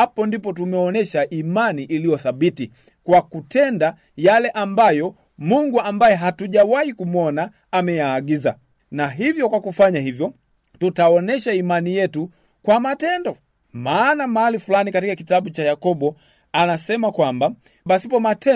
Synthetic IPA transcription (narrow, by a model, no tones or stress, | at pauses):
apɔndipɔtumɛɔnɛʃaʔimaniʔilijɔθabiti | kwakutɛnda | jalɛʔambajɔ | muŋɡuambajɛɦatuʄawahikumwɔnaː | mɛjaːɡiza | naɦivjɔkwakufaɲahivjɔ | tutaɔnɛʃaimanijɛtu | kwamatɛndɔ | maːnamaalifulanikatikakitaɓut͡ʃajakɔbɔ | anasɛmakwamba | basipɔmatɛ